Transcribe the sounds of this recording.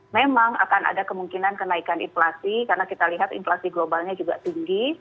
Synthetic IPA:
memaŋa̰kana̰dakəmuŋkinankənaikanḭnflasikarnakit̪aliɦat̪ḭnflasiɡlobalɲad͡ʒuɡaʔt̪iŋɡi

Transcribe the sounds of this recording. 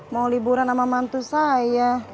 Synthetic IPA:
malibuɾanamamant̪usaja

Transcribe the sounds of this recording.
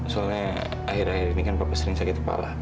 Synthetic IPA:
soalɲa | ahiɾahiɾinikanpapasəɾɪŋsakɛt̪̚kəpa̰la

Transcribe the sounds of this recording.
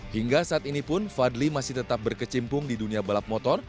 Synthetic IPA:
hiŋɡasaʔat̪inipʊnfadlimasɪht̪ət̪ap̚bərkət͡ʃimpʊŋdiduniabəlap̚mɔt̪ɔr

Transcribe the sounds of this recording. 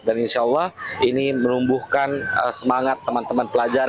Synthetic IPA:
daninʃalːɑhinimənumbuhkanə̰səmaŋat̪ːəmant̪əmanpəlad͡ʒaɾ

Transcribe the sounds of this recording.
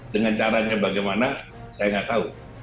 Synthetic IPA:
dəŋant͡ʃaɾaɲabaɡajmana | sajaŋaʔt̪au

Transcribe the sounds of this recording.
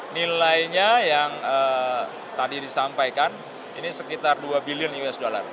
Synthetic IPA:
nilajɲajaŋəː | t̪adidisampajkan | inisəkit̪arduabiliʊnjuɛsdola̰r

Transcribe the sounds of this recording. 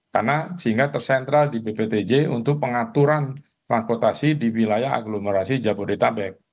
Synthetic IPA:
karnasəɦiŋɡat̪ərsɛnt̪ɾaldibepet̪ed͡ʒeṵnt̪ʊk̚pəŋat̪uɾan | t̪ɾanpɔrt̪asidiwilajaa̰ɡloməɾasid͡ʒabodet̪abɛk̚

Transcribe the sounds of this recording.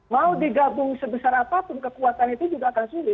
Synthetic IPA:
maudiɡabʊŋsəbəsaɾapapʊnkəkuat̪anit̪ud͡ʒuɡaːkansulɪ

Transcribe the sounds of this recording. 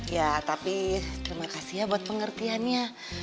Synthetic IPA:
jat̪apit̪əɾimakasijabuat̪̚pəŋərt̪ianɲa

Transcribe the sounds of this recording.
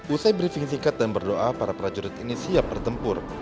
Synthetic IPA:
usajbɾifiŋsiŋkat̪̚danbərdoʔapaɾapəɾad͡ʒuɾɪt̪inisiap̚bərt̪əmpʊr

